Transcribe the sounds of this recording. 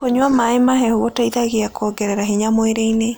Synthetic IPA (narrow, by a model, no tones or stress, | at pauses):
oɲwamaemaɦɛhuɔtaiðaɣeakʰɔɡɛɾɛɾaɦeɲamoeɾeine